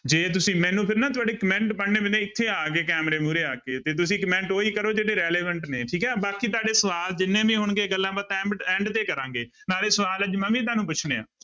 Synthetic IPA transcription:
d͡ʒeːt̪̬ʊsĩːmɛ̃ːnũːpʰɪɾnãːt̪̬ʊaːɖeːkəmɛ̃ːɳʈpəɽneːbɪnẽːɪt̪ʰːeːaːkeːkɛːmɾeːmuːɾeːaːkeːt̪eːt̪̬ʊsĩːkəmɛ̃ɳʈoːiːkəɾoːd͡ʒeːɽeːɾɛːleːʋəɳʈneːʈʰiːkɛːbaːkiːt̪̬ʊaːɖeːsəʋaːld͡ʒɪnːẽːʋĩːɦʊɳɡeːɡəlːãːbət̪ɛ̃ːɛ̃ːɳɖt̪eːkəɾãːŋɡeː | naːɽeːsəʋaːləd͡ʒmə̃mĩːt̪̬aːnũːpʊt͡ʃʰneːã̰ː

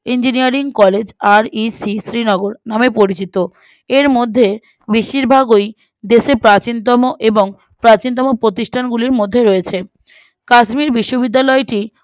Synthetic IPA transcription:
ind͡ʑinijaɾiŋkɔled͡ʑaɾisisɾinɔɡoɾnamepoɾit͡ɕit̪o | eɾmod̪ʱːe | biʃiɾbʱaɡoj | d̪eʃepɾat͡ɕint̪̬ɔmoʔeboŋ | pɾat͡ɕint̪̬ɔmopɾot̪iʃʈʰanɡuliɾmod̪ʱːeɾɔet͡ɕʰe | kaʃmiɾbiʃːobid̪ːalɔeʈi

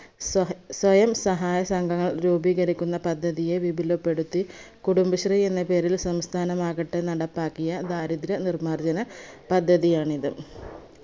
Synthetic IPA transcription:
swɐjɐmsɐɦaːjɐsɐŋɡɐŋːɐɭɾuːbiːɣɐɾikʲːunːɐpɐd̪ʱːɐðije̞ʋibʱilopːe̞ɽut̪ːi | kuɽumbɐɕrie̞nːɐpe̞ːɾilsɐmst̪ʰaːnɐmaːɣɐʈːenɐɽɐpːaːkːijɐd̪aːɾid̪ɾɐnirmaːrd͡ʑɐnɐpɐd̪ʱːɐðijaːɳiðu

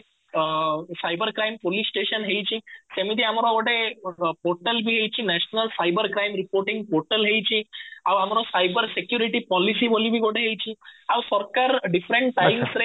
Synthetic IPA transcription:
sajbəɾkɾajmpolisːʈeɕənɦejt͡ɕiːsemit̪iamɾɔoɽepoɾʈəlbʱiːɦejt͡ɕiːnɛɕnəlsajbəɾkɾajmɾipoɾʈiŋɡ̚poɾʈəlɦejt͡ɕĩaʋamɾɔsajbəɾsekjuɾiʈipɔlisibolibʱiːɡoɽeɦejt͡ɕiːawsɔɾkaɾɖifɾẽɳʈʈːajmsɾe

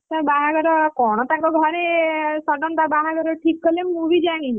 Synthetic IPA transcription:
t̪abaɦaɡɔɾɔkɔɽ̃ɔt̪akɔɡʱəɾesɔɖɔnt̪abaɦaɡʱəɾɔʈʰikːəlemmuʋid͡ʒaŋ̃i

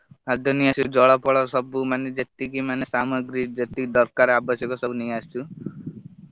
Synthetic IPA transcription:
ad̪ʱɔniasud͡ʒɔɭapɔɭɔsɔbumaned͡ʒet̪ikimanesamɔɡɾid͡ʒet̪id̪ɔɾkaɾabɔsjɔkɔsɔbuniast͡ʃʰu

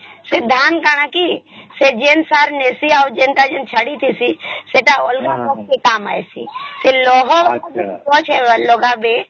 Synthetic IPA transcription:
sed̪ʱaːnkaːɽ̃akised͡ʒeːnsaːɾneːsiaud͡ʒeːnʈ̪ad͡ʒent͡ʃʰəɽit̪ʰisiseʈaolɡakɔk̚kekaːma̰ːesḭselɔɦɔaɔt͡ʃʰealoːɡabe

